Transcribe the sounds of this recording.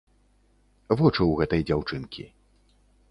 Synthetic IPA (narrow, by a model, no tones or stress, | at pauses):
vɔt͡ʂɨwɣɛt̪ɐjd͡zʲawt͡ʂɨnkʲʰḭ